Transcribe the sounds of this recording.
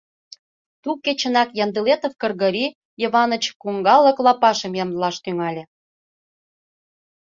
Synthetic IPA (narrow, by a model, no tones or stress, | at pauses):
t̪uket͡ɕə̆nɑkjɑnd̪əlet̪ofkə̆rɣəɾi | jəβɑnə̆t͡ɕkuŋɡɑlːə̆klɑpɑʃə̆mjɑmlɑʃt̪yŋɑlʲĕ